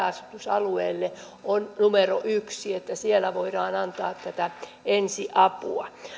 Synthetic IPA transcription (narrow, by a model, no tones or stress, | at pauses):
ɑsut̪usɑ̰luḛːlːe | onnumeroʔyksiet̪ːæsielæʋoirɑːnɑnt̪ɑːt̪t̪æt̪æ | ensiʔɑpṵɑ